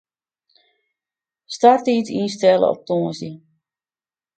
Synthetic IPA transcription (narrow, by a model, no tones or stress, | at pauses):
startiːsinstɛlə̰ɔ̰p̚tɔːzi